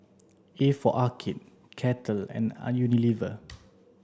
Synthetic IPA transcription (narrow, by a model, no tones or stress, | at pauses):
efɔʔakʰit̚ | kʰɛtʰəlɛ̰̃n̰junilivə